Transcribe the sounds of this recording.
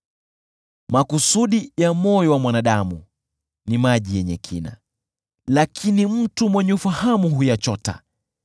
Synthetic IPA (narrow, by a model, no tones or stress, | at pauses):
makusuɗijamɔjɔwamwanaɗamṵ | nimaʄijɛɲɛ̰kʰḭna̰ | lakʰinim̩tumwɛɲɛufahamuɦujat͡ʃɔta̰